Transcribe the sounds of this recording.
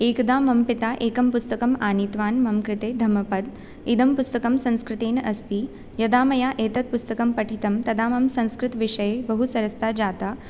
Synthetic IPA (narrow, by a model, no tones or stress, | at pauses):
eːkd̪aːmɐmpit̪aːʔeːkɐmpust̪ɐkɐmaːnit̪ʋaːnmɐmkɾɪt̪eːd̪ʱɐmɐpɐd̪ | id̪ʱɐmpust̪ɐkɐmsɐ̃ñskɾɪt̪eːnɐst̪i | jɐd̪aːmɐjaːʔeːt̪ɐt̪̚pust̪ɐkɐmpɐʈʰit̪ɐmt̪ɐd̪aːmɐmsɐ̃ñskɾɪt̪ʋiʂɐjeːbɐɦusɐɾɐst̪aːd͡ʒaːt̪aː